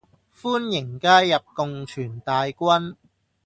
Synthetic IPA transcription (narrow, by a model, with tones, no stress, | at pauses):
fuː˥njɪ˨˩ŋkaː˥jːɐ˨p̚kʊ˨ŋt͡ʃʰyː˨˩nt̪aː˨˧jkʷɐ˥n